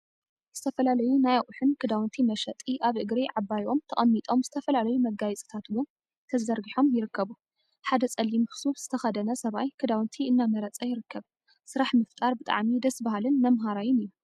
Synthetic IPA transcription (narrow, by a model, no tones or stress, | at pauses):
z̥ɨt̪ʰɐfɐlalɐjunajaʔʼuħɨnkʰɨd̪awnt̪ʰimɐʃɐt̪ʼiʔaβʔɨɡɾiʕabːajo̞mt̪ʰɐχʼɐmːit̪ʼo̞mzɨt̪ʰɐfɐlalɐjumɐɡːajɛt͡sʼɨ̥t̪ʰat̪wʊn | t̪ʰɐzɐɾɡiħo̞mjɪɾɨkːɐβu | ħad̪ɐt͡sʼɐlːimksufz̥ɨt̪ʰɐxɐd̪ɐnɐsɐβajkʰɨd̪awnt̪ʰiɨnːamɐɾɐt͡sʼɐjɪɾɨkːɐβ | sɨɾaħmɨft̪ʼaɾbɨt̪ʼa̰ʕmid̪ɐsbaɦalɨnmɐmɦaɾajɪnɨjːu